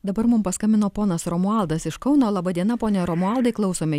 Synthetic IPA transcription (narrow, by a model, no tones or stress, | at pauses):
d̪ɐbɐɾmʊmpɐskɐmʲɪnoːpoːnɐsɾoːmʊɑˑlˠd̪ɐsɪʃkɐʊnoːlˠɐbɐd̪ʲiɛnɐpoːnʲɛːɾomʊɑlˠd̪ɐɪklˠɒʊsoːmʲɪ